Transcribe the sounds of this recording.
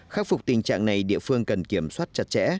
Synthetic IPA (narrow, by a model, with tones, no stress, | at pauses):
xaː˦˥k̚fʊ˨˩k͡p̚t̪ï˨˩ŋ̟t͡ɕa̰ː˧˨ŋna˨˩jɗḭ˧˨əfɨ˧əŋkə˨˩nki˧˩əmswaː˦˥t̚t͡ɕa˨˧˩t̚t͡ɕɛ̰˧˥